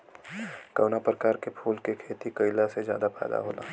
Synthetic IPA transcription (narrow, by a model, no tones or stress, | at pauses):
kəːnapɾəkaːɾkepʰuːlkekʰeːt̪ikəɪlasezjaːd̪apɛ̰ːd̪a̰ɦoːla̰ː